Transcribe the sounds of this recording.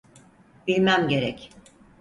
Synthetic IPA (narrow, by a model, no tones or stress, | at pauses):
b̥ilʲmæmɟe̞ɾɛ̰c